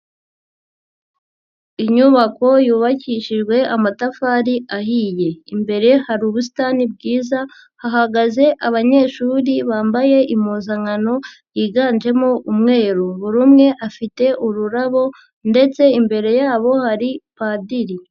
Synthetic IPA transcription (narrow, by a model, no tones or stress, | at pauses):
iɲuβako̞juːβaciʃiʒɡwe̞ʔamatafaːɾiaɦiːje̞imbe̞ɾe̞haɾuːβusi̥tanib̚ɡiːza | haɦaɡaze̞ʔaβaɲe̞ːʃuːɾiβaːmbaje̞ʔimuːnzaŋano̞jiːɡaːnd͡ʒe̞mo̞ʔumŋe̞ːɾuβuɾumŋe̞ʔafite̞ʔuɾuɾaβo̞ | nde̞t͡se̞imbe̞ɾe̞jaːβo̞haɾipaːdiɾi